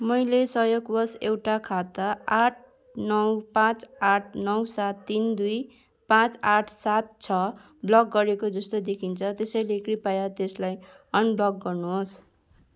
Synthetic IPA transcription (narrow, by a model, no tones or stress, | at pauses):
mʌjlesʌjoɡbʌsewʈakʰat̪aaʈʰ | nʌwpãt͡saʈʰnʌwsat̪ːind̪uj | pãt͡saʈʰsat̪̚t͡sʰʌ | blʌk̚ɡʌɾekod͡zʌst̪od̪ekʰint͡sʰʌt̪esʌjlekɾipajat̪eslaj | ʌnblʌk̚ɡʌrnuɦos